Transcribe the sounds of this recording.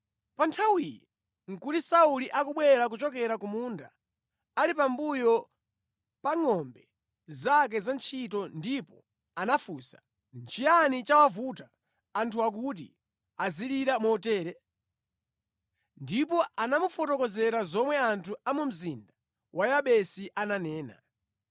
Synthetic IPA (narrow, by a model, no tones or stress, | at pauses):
pantʰawijɛ | ŋ̩kutisauliʔakuɓwɛɾak̬ut͡ʃɔkɛɾakumunda | alipambujɔ | paŋɔmbɛ | zak̬ɛzant͡ʃʰitɔndipɔ | anafuːsḁ | nt͡ʃʰijanit͡ʃawavutaː | ntʰuak̬ut̬ḭ | aziliɾamɔtɛːɾɛ | ndipɔanamufɔtɔkɔzɛɾazɔmwɛantʰuamum̩zinda | wʔajaɓɛsiʔananɛːna̰